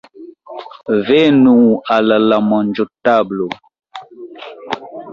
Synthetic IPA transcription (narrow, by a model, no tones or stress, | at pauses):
vɛnualəlamɔnd͡ʒotablo